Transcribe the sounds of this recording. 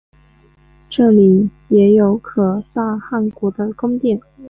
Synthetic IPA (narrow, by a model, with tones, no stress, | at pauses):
ʈ͡ʂɤ˥˩li˨˩jɛ˧˥jo˧˥ʊkʰɤ˨˩sa˥˧xa˥˩nkwɔ˧˥d̪ə˧kʊ˥ŋt̪jɛ˥˩n